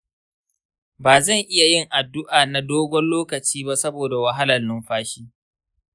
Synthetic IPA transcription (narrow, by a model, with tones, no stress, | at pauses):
baː˨zɐ˦˨ŋʔɪ˦ja˨jɪ˦˨ŋʔa˨dːʊ˦ʔaː˨na˨doː˦ɡʷɔ˦nloː˦kɐ˨t͡ʃiː˦ba˦sɐ˦boː˨da˨wɐ˦ɦa˦lɐ˨nːʊ˦mɸaː˦ʃiː˦